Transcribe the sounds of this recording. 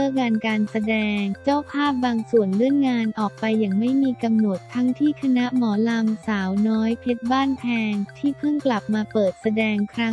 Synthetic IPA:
ɤː˥˩ŋaː˧nkaː˧nsa˧dɛː˧ŋt͡ɕaː˥˩wpʰaː˥˩p̚baː˧ŋsu˨˩ənlɯ˥˩ənŋaː˧nʔɔː˨˩k̚pa˧jːa˨˩ŋma˥˩jmiː˧ka˧mno˨˩t̪ʰːa˦˥ŋt̪ʰiː˥˩kʰa˧na˦˥ʔmɔː˩˦la˧msaː˩˦wnɔː˦˥jpʰe˦˥t̪̚baː˥˩npʰɛː˧ŋt̪ʰiː˥˩pʰɯ˥˩ŋkla˨˩p̚maː˧pɤː˨˩t̪̚sa˧dɛː˧ŋkʰɾa˦˥

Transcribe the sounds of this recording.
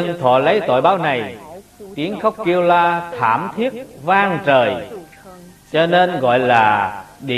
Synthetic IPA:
ə˧nt̪ʰwɔ̰˧˨lə˨˦jt̪o̰˧˨jɓaː˨˦wna˨˩jt̪i˨˦əŋxə˦˥wk͡p̚ki˧əwlaː˧t̪ʰaː˧˩mt̪ʰi˦˥ət̚vaː˧ŋt͡ɕəː˨˩j | t͡ɕɔ˧ne˧nɣɔ̰˧˨jlaː˨˩ɗḭ˧˨

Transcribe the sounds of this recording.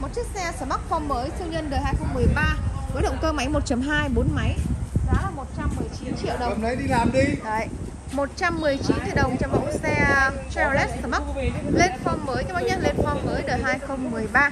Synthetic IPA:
mo˨˩t̚t͡ɕi˦˥k̚sɛ˧səː˧˩ɓa˦˥k̚fɔ˧wŋ͡mməː˨˦jt̪ʰɨ˧wɲə˧nɗəː˨˩ɦaː˧jxə˧wŋ͡mmɨ˨˩əjɓaː˧ku˨˦jɗə̰˧˨wŋ͡mkəː˧ma˨˦jmo˨˩t̚t͡ɕə˨˦mɦaː˧jɓo˨˦nma˨˦jza̰ː˨˦laː˨˩mo˨˩t̚t͡ɕa˧mːɨ˨˩əjt͡ɕi˨˦nt͡ɕḭ˧ə˨wɗə˨˩˨nə˨˦ɗi˧laː˨˩mɗi˧ɗə˧˩˨j | mo˨˩t̚t͡ɕa˧mːɨ˨˩əjt͡ɕi˨˦nt̪ḭ˧˨˩ɗə˨˩wŋ͡mt͡ɕɔ˧wŋ͡mmə̰˧˥˦sɛ˧sɛ˧lɛ˦˥t̚səː˧˩ɓa˦˥le˧nfɔ˧wŋ͡mməː˨˦jka˨˦jɓaː˧˦˥ɲə˧nle˧nfɔ˧wŋ͡mvəː˨˦jɗəː˨˩ɦaː˧jxə˧wŋ͡mmɨ˨˩əjɓaː˧

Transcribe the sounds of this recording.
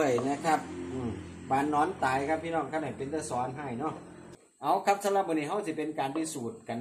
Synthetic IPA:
jna˦˧˥kʰa˦˧˥p̚ʔɯː˨˩mbaː˨˧˩nːɔː˧˥˨nt̪aː˨jkʰa˦˥pʰːiː˧˨nɔː˧˥˩ŋkʰa˧˩ha˨˩pe˧nt̪ʰaː˧˩sɔː˨˦nɦa˧˩jnɔ˧˥˩ | ʔa˧˦wkʰa˦˧˥p̚t̪ʰa˧˥la˧˩bɔː˧˨niː˧˩ɦa˧˥˨wsi˧˩pe˧nkaː˨˧npi˧˩suː˨˩t̪̚ka˧n

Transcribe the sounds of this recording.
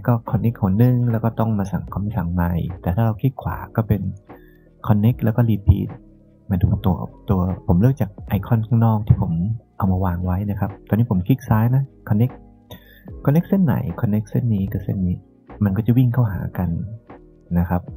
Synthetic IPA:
kɔː˥˩kʰɔ˧nːe˦˥k̚hu˨˩˦ɐ˦nɯ˧˩ŋlɛː˧˦˥wkɔː˥˩t̪ɔ˥˩ŋmaː˧sa˨˩˦ŋkʰa˧˦msʰa˨˩˦ŋma˧jt̪ɛː˨˩aː˥˩ɾa˧wkʰi˦˥t̪̚kʰwa̰ː˩˦kɔː˥˩pe˧n | kʰɔ˧nːe˦˥k̚lɛː˦˥wkɔː˥˩liː˧pʰḭː˦˥t̪̚ | maː˧duː˧t̪u˧ɐt̪u˧ɐpʰo˨˩˦mlɯː˥˩əkt͡ɕaː˨˩k̚ʔa˧jkʰɔ˧˥˩nkʰaː˥˩ŋnɔː˥˩k̚t̪ʰiː˥˩pʰo˩˦mʔa˧wmaː˧waː˧ŋwa˦˥jna˦˥kʰa˦˥p̚t̪ɔː˧niː˦˥pʰo˩˦mkʰi˦˥k̚saː˦˥jna˦˥kʰːɔ˧nːe˦˥k̚ʰː | ɔː˧nːe˦˥k̚se˥˨nːa̰˨˦jkʰɔ˧nːe˦˥k̚se˥˩nːiː˦˥kɯ˧˩sḛ˧˥˩nːiː˦˥ | ma˧nkɔː˥˩t͡ɕa˨˩wi˥˩ŋkʰa˥˩wɦa̰ː˩˦ka˧nː | a˦˥kʰa˦˥p̚

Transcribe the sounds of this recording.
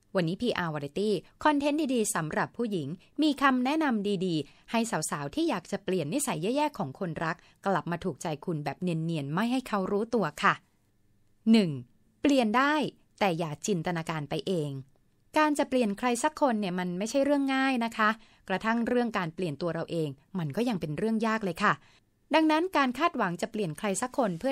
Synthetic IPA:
wa˧nːiː˦˥pʰiː˧ʔaː˧waː˧ɾi˧t̪iː˥˩kʰɔ˧nt̪ʰe˦˥ndiː˧diː˧sa˩˦mɾa˨˩pʰːuː˥˩ji˩˦ŋ | miː˧kʰa˧mnɛ˦˥ʔna˧mdiː˧diː˧ha˥˩jsaː˩˦wsaː˩˦wt̪ʰiː˥˩jaː˨˩k̚t͡ɕa˨˩pli˨˩ənːi˦˥sa˩˦jːaː˥˩jɛː˥˩kʰːɔː˩˦ŋkʰo˧nɾa˦˥k̚ː | la˨˩p̚maː˧t̪ʰuː˨˩k̚t͡ɕa˧jkʰu˧nbɛː˨˩p̚ni˧nːi˧ənma˥˩jɦa˥˩jkʰa˦˥wɾuː˦˥t̪u˧ɐkʰa˥˩ | nɯ˨˩ŋ | pli˨˩əndaː˥˩j | t̪ɛː˨˩jaː˨˩k̚t͡ɕi˧nt̪ʰa˧naː˧kaː˧npa˧jʔeː˧ŋ | kaː˧nt͡ɕa˨˩pli˨˩ənkʰɾa˧jsa˦˥kʰːo˧nːi˥˩ɐma˧nma˥˩jt͡ɕʰa˥˩jɾɯ˥˩əŋːaː˥˩jna˦˥kʰa˦˥ | kɾa˧t̪ʰa˥˩ŋɾɯ˥˩əŋkaː˧npli˨˩ənt̪u˧ɐɾa˧wʔeː˧ŋma˧nkɔː˥˩ja˧ŋpe˧nɾɯ˥˩əŋjaː˥˩k̚lɤː˧jkʰa˥˩ | da˧ŋna˦˥nkaː˧nkʰaː˥˩t̪̚wa˩˦ŋt͡ɕa˨˩pli˨˩ənkʰɾa˧jsa˧˦˥kʰːo˧npʰɯ˥˩ə

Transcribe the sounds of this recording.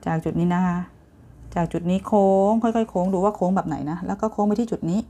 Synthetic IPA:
t͡ɕaː˨˩k̚t͡ɕu˨˩t̪̚niː˦˥na˦˥kʰa˦˥ | t͡ɕaː˨˩k̚t͡ɕu˨˩t̪̚niː˦˥kʰoː˧ŋkʰɔ˧˥˩jkɔ˥˩jkʰoː˧˥ŋduː˧waː˥˩kʰoː˧˥ŋbɛː˨˩p̚na̰˩˦jna˦˥lɛː˦˥wkɔː˥˩kʰoː˧˥ŋma˧jt̪ʰiː˥˩t͡ɕu˨˩t̪̚niː˦˥

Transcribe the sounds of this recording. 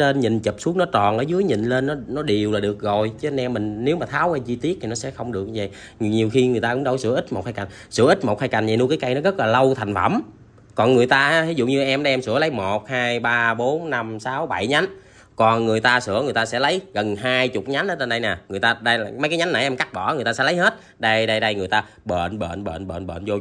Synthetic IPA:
le˧nɲḭ̈˨˩˨nt͡ɕə˨˩p̚su˨˦˥ək̚nɔ˨˦t͡ɕɔ˨˩nʔəː˨˦jzɨ˨˦əjɲḭ̈˨˩nle˧nːɔ˨˦nɔ˨˦ɗi˨˩əwlaː˨˩ɗɨ˨˩ək̚ɣo˨˩jt͡ɕə˨˦˧nɛ˧mːï˨˩ŋ̟ne˨˦wmaː˨˩t̪ʰaː˨˦wʔɛ˧mt͡ɕi˧t̪i˦˥ət̪ʰi˨˩nɔ˨˦sɛ̰˧˥xə˧wŋ͡mɗɨ˨˩ək̚və̰˧˨jɲi˨˩wxi˧ŋɨ˨˩t̪aː˧kʊ̰˧˥ŋ͡mɗə˧wsɨ̰˧˩ʔi˦˥t̚mo˨˩t̚haː˧jka˨˩ŋsɨ̰˧˩əʔï˦˥t̚mo˨˩haː˧jka˨˩ŋ̟ɲa˨˩nu˧ka˨˦ka˧jnɔ˨˦ɣə˦˥t̚laː˨˩lə˧wt̪ʰa˨˩jŋ̟fə̰˧˩m | kɔ˨˩nŋɨ˨˩əjt̪aː˧˨˦i˨˦zʊ̰˧˨ɲɨ˧ʔɛ˧mɗɛ˧msɨ̰˧˥ələ˨˦jmo˨˩t̚haː˧jɓaː˧ɓo˨˦nːa˧msaː˨˦wɓa˧˩jɲa˨˦n | kɔ˨˩nŋɨ˨˩əjt̪aː˧sɨ̰˧˥əŋɨ˨˩əjt̪aː˧sɛ̰˧˥lə˨˦jɣə˨˩nɦaː˧jt͡ɕʊ˨˩k͡p̚ɲa˨˦nʔəː˨˦tə˧nɗə˧jnɛ˨˩ŋɨ˨˩əjt̪aː˧ɗə˧jmə˨˦kaː˨˦jɲa˨˦nːa˨˩jʔɛ˧mka˦˥k̚ɓɔ˧˩ŋɨ˨˩əjt̪aː˧sɛ̰˧˥lə˨˦jhe˦˥t̚ | ɗə˧jɗə˧jɗə˧jŋɨ˨˩əjt̪aː˧ | ɓə̰ː˧˨nɓə̰ː˧˨nɓə̰ː˧˨nɓə̰ː˧˨nɓə̰ː˧˨nzo˧

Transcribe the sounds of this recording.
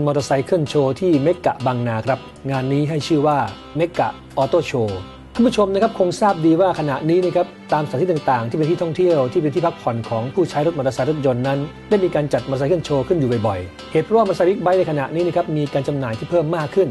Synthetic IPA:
nmɔː˧t̪a˧sa˨˧˥jkʰɯ˥˩ənt͡ɕʰoː˧t̪ʰiː˥˩me˦˥kːa̰˨˩ʔbaː˧ŋnaː˧kʰɾa˦˥p̚ŋaː˧nːiː˦˥ɦa˥˩jt͡ɕʰɯː˥˩waː˥˩ | me˦˥kːa̰˨˩ʔ | ʔɔː˧t̪oː˥˩t͡ɕʰoː˧ | kʰa˥˩mpʰu˥˩t͡ɕʰo˧mna˥kʰp̚kʰo˧ŋsaː˥˩p̚diː˧waː˥˩kʰa˧na˨˩ʔniː˦˥ni˥˩kʰa˦˥p̚t̪aː˧msʰaː˨˦t̪ʰi˥˩˨ŋt̪aː˨˩ŋt̪i˥˩pe˧nt̪ʰiː˥˩t̪ɔ˥˩ŋt̪ʰi˥˩əwt̪ʰiː˥˩pe˧t̪ʰiː˥˩pʰa˦˥k̚pʰɔ˨˩nkʰɔː˩˦ŋpʰuː˥˩t͡ɕʰaː˦˥jɾo˦˥t̪̚ɔ˧a˧sa˧˥jɾo˦˥t̪̚jo˧nːa˦˥n | daː˥˩jmiː˧kaː˧nt͡ɕa˨˩t̪̚mː˧a˧sa˦kʰɯ˥˩˨nt͡ɕʰoː˧kʰɯ˥˩njuː˨˩bɔ˨˩jbɔ˨˩j | heː˨˩t̪̚pʰɾɔ˥waː˥˩˧ɾa˧a˧˦˥wi˦˥k̚ba˦˥jna˧jkʰa˧na˨˩ʔni˦˥ni˥˩kʰa˦˥p̚miː˧kaː˧nt͡ɕa˧mnaː˨˩jt̪ʰiː˥˩pʰɤː˥˩mːaː˥˩kʰːɯ˥˩n

